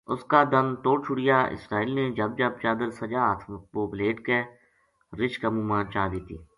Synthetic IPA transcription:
ʊskaːd̪ənt̪oːɽt͡ʃʰʊɽɪjaːɪ̰sɾaːiːlneːd͡ʒəb̚d͡ʒəb̚t͡ʃaːd̪əlsəd͡ʒaːt̪ʰmət̪̚boːbleːʈke | ɾɪʃkəmũːmãːnt͡ʃaːd̪iːt̪ḭː

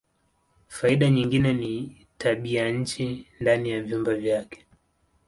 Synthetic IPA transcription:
faiɗaɲiŋɡinɛni | taɓijaɲ̩t͡ʃindanijavjumbavjakɛ̥

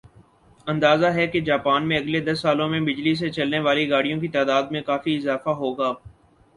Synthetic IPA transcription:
ɐ̃nd̪aːzaɦɛked͡ʒaːpaːnmẽɐɡled̪ɐsːaːlõmẽbɪd͡ʒlis̬et͡ʃɐlneʋaːliɡaːɽijõkit̪aːd̪aːd̪̚mẽkaːfiɪzaːfaɦoːɡaː

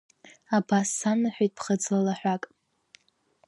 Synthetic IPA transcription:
abasːanaħʷᶣijtʼpʰχəd͡zlalaħᶣʷakʼ

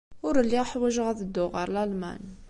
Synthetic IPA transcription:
ʊɾəlːiʁħwæʒəʁæθəd̪ːʊʁəɾlælmæ̰n

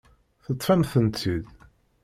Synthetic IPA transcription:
θət̪ˤːfæmθənt̪ʰːið

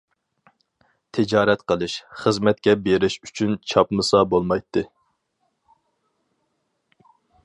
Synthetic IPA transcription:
t̪ʰɪd͡ʒɑːɾɛt̪qʰəlˠɨʃχəzmɛt̪̚kʲɛbeɾɪʃy̥t͡ʃʰynt͡ʃʰɑpmɨsɑbolˠmɑjt̪ʰːɨ

